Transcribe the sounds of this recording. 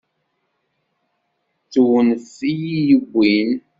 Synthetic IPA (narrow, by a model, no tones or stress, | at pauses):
t͡sːuwnsijijəɡʷːin